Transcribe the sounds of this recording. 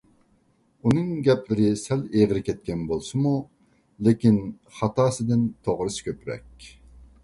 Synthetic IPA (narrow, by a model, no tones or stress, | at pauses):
unɨŋɡʲɛplɪɾɪsɛleʁɪɾɪkʲɛt̪̚kʲɛnbolˠsɨmu | lekʲin | χɑt̪ɑːsɨd̪ɪnt̪ʰoʁɾɨsɨ̥kʲøpɾɛ̰kʲ